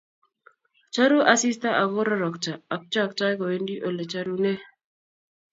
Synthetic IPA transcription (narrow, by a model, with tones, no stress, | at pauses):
t͡ʃa˦ɾu˦ʔa˨si˦sta˦ʔa˨βɔ˦ɾɔ˦ɾɔ˨kt͡ʃa˨a˨k̚t͡ʃa˦˨k̚ta˦kɔ˨we˦ndi˦ʔo˨le˨t͡ʃa˦ɾu˦ne˦